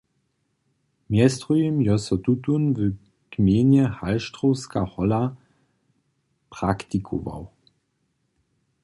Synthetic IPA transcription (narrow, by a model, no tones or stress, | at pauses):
mjɛst̪ʁujimjɔsɔt̪ut̪unv | kmjeːnjɛhalʃt̪ʁɔwska̰hɔla | pʁ̥akt̪ikʰɔ̰va̰w